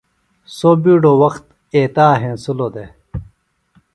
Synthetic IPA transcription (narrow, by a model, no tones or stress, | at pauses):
sobiːɖowɐxt̪̚ | eːt̪aːɦẽːnsuloːd̪e